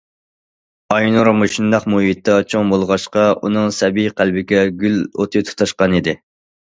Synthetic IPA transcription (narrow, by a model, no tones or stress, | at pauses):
ɑjnuɾmoʃund̪ɑqmuɦit̪ːɑt͡ʃʰoŋbolˠʁɑʃqɑʔṵnɨŋsɛbijqʰælbɪkʲɛɡʲylo̰t̪ʰɨt̪ʰu̥t̪ʰɑʃqɑnid̪ɪ